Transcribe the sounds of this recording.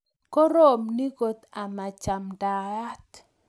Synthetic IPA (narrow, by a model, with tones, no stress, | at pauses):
kɔ˦ɾo˦mni˦ɡo˨t̪a˨ma˨t͡ʃa˨mda˨a˦t̪